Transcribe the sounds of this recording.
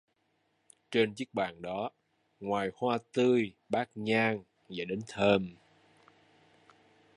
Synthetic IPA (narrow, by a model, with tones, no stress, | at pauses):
t͡ɕe˧nt͡ɕɨ˦˥ək̚ɓa̰ː˧˩nɗɔ˨˦ | ŋwaː˨˩jhwaː˧t̪ɨ˧j | ɓaː˦˥k̚ɲaː˧ŋ | za̰ː˧˩jɗe˨˦nt̪ʰəː˧m